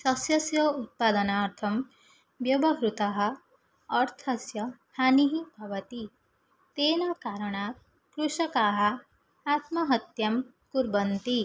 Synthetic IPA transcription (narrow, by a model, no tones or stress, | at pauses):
sɐsjɐsjɐut̪̚paːd̪ɐnaːɾt̪ʰɐm | bjɐbɐɦɾut̪ɐɦɐ̆ː | ɾt̪ʰɐsjɐ | haniɦibʱɐʋɐt̪i | t̪eːnɐkaːɾɐɳaːk̚ | kɾuʂɐkaːɦɐ̆ | aːt̪mɐɦɐt̪jɐm | kuɾbɐnt̪i